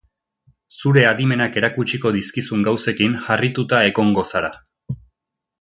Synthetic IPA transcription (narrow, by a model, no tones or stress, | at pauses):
suɾe̞aðime̞nake̞ɾakut͡ʃiko̞ðiskisuŋɡawse̞kinxarit̪ut̪ae̞ɣo̞ŋɡo̞saɾa